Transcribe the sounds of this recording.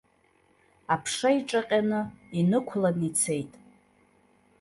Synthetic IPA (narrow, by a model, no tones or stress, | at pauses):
apʰʂaiʈ͡ʂʼaqʲʼanɨinɨkʷʰlanit͡sʰe̞jtʼ